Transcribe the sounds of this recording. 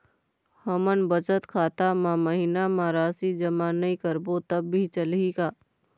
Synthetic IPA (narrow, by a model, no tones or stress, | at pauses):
həmənbət͡ʃət̪kʰaːt̪amãməɦɪnamaːɾaːsid͡ʒəmaːnəikəɾbot̪əbːʱit͡ʃəlikaː